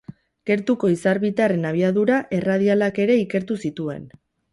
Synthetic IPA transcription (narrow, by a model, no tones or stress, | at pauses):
ɡ̥e̞ɾt̪uko̞isaɾβit̪are̞naβ̞iaðuɾaʔe̞raðialake̞ɾe̞ike̞ɾt̪usit̪ue̞̰n